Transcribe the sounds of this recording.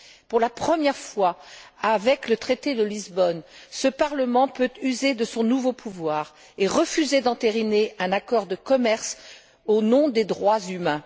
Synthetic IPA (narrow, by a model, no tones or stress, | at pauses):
puʁlapχəmjɛʁfwaavɛklət̪χet̪ed̪əlizbɔnsəpaʁləmɑ̃pøt̪yzed̪əsɔ̃nuvopʰuvwaːʁ | eʁəfyzed̪ɑ̃t̪eʁineɛ̃nakɔʁd̪əkɔmɛʁs | onɔ̃d̪ed̪ʁwazymɛ̃